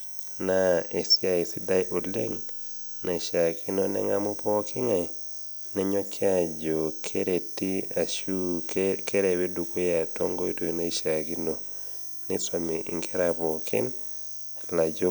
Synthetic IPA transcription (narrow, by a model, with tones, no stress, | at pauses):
na˦e˨si˦a˨i˨si˦da˦jʔo˨lḛ˦ŋ | na˨i˨ʃa˨kʰi˦no˦nɛ̰˦ŋa˦mu˦pɔ˦kʰɪ˦ŋa˨ | nɛ˦ɲo˦kʰja˦d͡ʒo˨kʰe˦ɾe˨ti˦a˨ʃu˦kʰe˦ɾe˨we˦du˨ko˦ja˨tɔ˦ŋɡo˦i˦to˨i˨na˨i˦ʃa˨ki˦no˨ | nɪ˦sa˨mi˨ʔḭ˨ŋkʰɛ˦ɾa˨pɔ˨kʰɪ̰˦n | la˨d͡ʒo˦